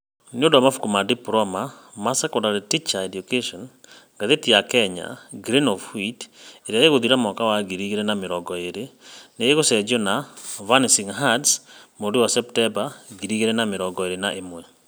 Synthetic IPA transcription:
neondowamafu̥kumadipɾɔma | masakɔdaɾetit͡ʃaɛdjukeʃɔn | ɡaðetijakɛɲa̰ɡɾinɔfhwiteɾjajeɣoðiɾamɔkawaɡiɾiɣeɾɛnameɾɔɡɔeɾeneeɣosɛd͡ʒɔnavanisiŋɦadsmodiwasɛptɛbaɡiɾiɣeɾɛnameɾɔŋɡɔeɾenaʔemwɛ

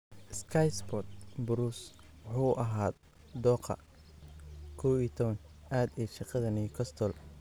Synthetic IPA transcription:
ɪskʰɐjsbɔt̪̚bʊɾuswʊħuːʔɐɦaːd̪ | d̪ɔːqʰɐ̰ | kʰɔwiːt̪ʰɔβɐn | ʔaːd̪ɛːʃɑqɐðɐniːkʰɔst̪ʰɔl

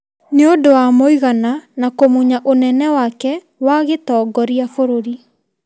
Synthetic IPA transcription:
neodowamoiɣananakomuɲaʔonɛnɛwakɛ | waɣetɔːɡɔɾiafoɾoɾi

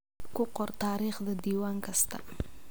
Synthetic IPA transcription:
kʊqɔɾt̪aɾiχd̪əd̪iwaŋkast̪a̰

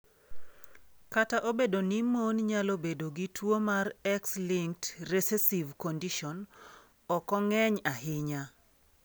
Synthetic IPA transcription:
kataʔobedonimonɲalobedoɡitwomarɛkslɪŋtresɛsivkɔndiʃɔn | ɔkɔŋɛɲaɦɪɲa

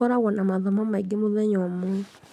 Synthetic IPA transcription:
ɔɾaɣɔnamaðɔmɔmaiɡimuðɛɲɔmu

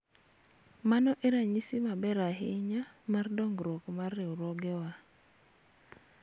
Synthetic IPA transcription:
manɔʔeɾaɲisimabɛɾaɦɪɲa | mardɔŋɡɾɔkmarːeuɾɔɡɛwa

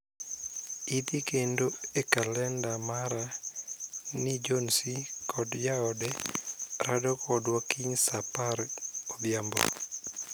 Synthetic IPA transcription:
it̪ikendoekalɛndamaɾa | nid͡ʒɔnsikʰɔdjaɔdɛ | ɾadɔkʰɔdwakiɲsaparɔb̪jambɔ̰

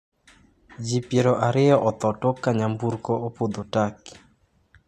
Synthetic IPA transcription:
d͡ʒipjeɾɔʔaɾɪjɔʔɔt̪ɔtɔkaɲambuɾkɔopod̪otaki̥

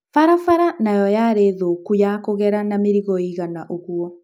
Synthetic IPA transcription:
faɾafaɾanajɔjaɾeðokujakoɣɛɾanameɾiɣɔiɣanaʔoɣuɔ

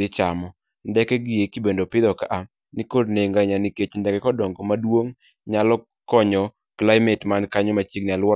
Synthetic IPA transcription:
ɪt͡ʃamɔ | ndɛkɛɡɪjekibendopɪd̪ɔkaʔa | nɪkodneŋɡaɲaniket͡ʃndɛkɛkɔdɔŋɡɔmadwoŋ | ɲalɔ | kɔɲɔ | klaɪmɛtmankaɲɔmat͡ʃiɡ̚nɪalwɔ

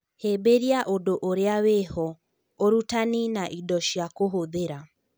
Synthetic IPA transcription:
hebeɾiaʔodoʔoɾeawehɔ | oɾutaninaʔidɔʃjakoɦoðeɾa

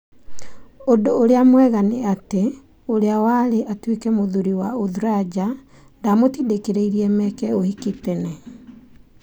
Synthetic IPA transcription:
odoːɾeamwɛɣaneate | oɾeawaɾeʔatwekɛmoðuɾiwaoðuɾad͡ʑa | ndamotidekeɾeiɾiɛmɛkɛohikitɛnɛ

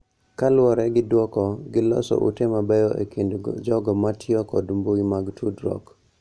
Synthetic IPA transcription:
kalwɔɾɛɡɪdwɔkɔɡɪlɔ̰sɔ̰ʔṵtemabɛjɔʔḛkindd͡ʒɔɡɔmatʰɪɔkɔdmboimaɡtʰudɾɔ̰k

